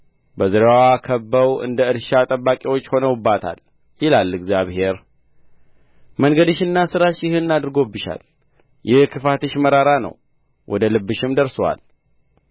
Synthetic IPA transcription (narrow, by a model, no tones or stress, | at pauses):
bəzɨɾawakʰəbːəwɨ̰nd̪əɨɾʃat̪ʼəbːakʼiwot͡ʃːho̞nəwɨbːat̪ʰa̰l | jɪlalːɨɡzjaβhe̞ɾ | məŋɡəd̪ɨʃɨnːasɨɾaʃjɪhɨnːad̪ɨɾɡo̞bːɨʃa̰l | jʔɪhkʰɨfat̪ʰɨʃməɾaɾanə̰w | wʔɔ̰d̪əlɨbːɨʃɪmd̪əɾswa̰l